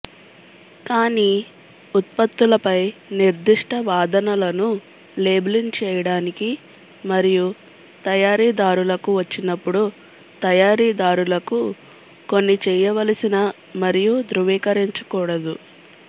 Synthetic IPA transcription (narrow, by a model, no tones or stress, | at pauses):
kaːniː | ut̪̚pɐt̪ːulɐpɐjniɾd̪iʂʈɐʋaːd̪ɐnɐlɐnu | leːblint͡ʃɛːjɐɽaːniki | mɐɾiju | t̪ɐjaːɾiːd̪aːɾulɐkuʋɐt͡ʃːinɐpːuɽu | t̪ɐjaːɾiːd̪aːɾulɐku | ko̞nːit͡ʃɛːjɐʋɐlɐsinɐ | mɐɾijud̪ɾuʋiːkɐɾiɲt͡ʃɐkuːɽɐd̪u